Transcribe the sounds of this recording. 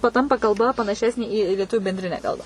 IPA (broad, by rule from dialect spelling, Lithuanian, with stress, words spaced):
pɐˈtɐmpɐ kɐlˠˈbɐ pɐnɐˈʃʲæːsʲnʲeː iː lʲiɛˈtʊʋʲuː bʲɛnʲˈdʲrʲɪnʲæː ˈkɐlˠbɑː